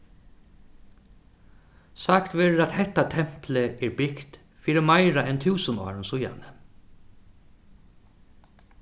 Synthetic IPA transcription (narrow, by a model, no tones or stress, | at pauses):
sakt̪ʋeːɾat̪hɛt̪at̪ʰɛm̥pləɛɹbɪkt̪ | fiːɾəmaɪɾaɛnt̪ʰʉːsənɔ̰ːɾnsʊja̰nə